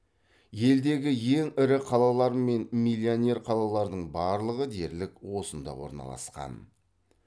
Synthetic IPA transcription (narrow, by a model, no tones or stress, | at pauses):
je̞ld̪e̞ɡʲɪje̞ŋɪɾɪqʰɑlˠɑlˠɑɾme̞nmilʲːionʲe̞ɾqʰɑlˠɑlˠɑɾd̪əɴbɑɾlˠəʁəd̪e̞ɾlɪkwo̞sənd̪ɑ̰wo̞̰ɾnɑ̰lˠɑ̰sqɑ̰n